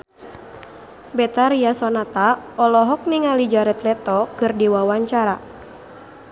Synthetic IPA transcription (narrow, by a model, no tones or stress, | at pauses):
bɛt̪aɾiasɔnat̪aɔlɔɦɔk̚niŋalid͡ʒaɾɛt̪lɛt̪ɔkɨrdiwawaɲt͡ʃaɾa